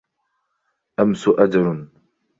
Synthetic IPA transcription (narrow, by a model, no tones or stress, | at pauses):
ʔamsʊʔad͡ʒɑɾʊn